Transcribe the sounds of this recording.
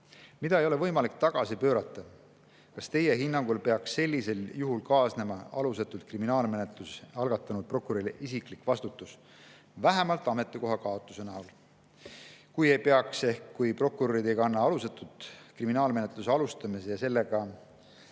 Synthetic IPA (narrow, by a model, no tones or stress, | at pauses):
mid̪ɑejo̞le̞vɤjmɑlik̚t̪ɑɡ̥ɑsipø̞ːɾɑt̪ːˑɑ | kɑst̪e̞je̞ɦinːɑŋɡ̥ulpe̞ɑkse̞lʲːise̞ljuɦulkɑːsne̞mɑɑlus̬et̪ːˑult̪̚kriminɑːlme̞net̪lusɑlɡ̥ɑt̪ːˑɑnud̪̥̚pro̞kːˑuɾilʔisiklikvɑst̪ut̪ːˑus | væɦæmɑlt̪ːˑɑme̞t̪ːˑeko̞ɦɑkɑo̞t̪ˑːuse̞næol | kuje̞jpe̞ɑkse̞hkːujpro̞kuɾoɾid̪e̞jɡɑnːɑɑluset̪ːˑut̪kriminɑːlme̞ne̞t̪ˑluseɑlust̪ɑmisejɑse̞lːeɡ̥ɑ